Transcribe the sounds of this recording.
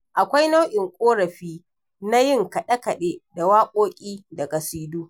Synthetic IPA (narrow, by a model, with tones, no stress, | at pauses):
ʔa˨kʷa˦jna˦wʔɪ˨ŋkʷʼoː˦ɾɐ˨ɸiː˦ | na˦jɪ˦ŋkɐ˨ɗɐ˦kɐ˨ɗeː˦da˨waː˦kʷʼoː˦kʲʼiː˦dɐ˨ɡa˨siː˦duː˦